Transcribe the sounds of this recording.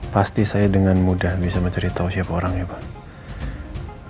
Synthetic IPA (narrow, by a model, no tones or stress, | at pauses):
past̪isajadəŋanmudahbisaməɲt͡ʃəɾit̪ausiapaoɾaŋjubah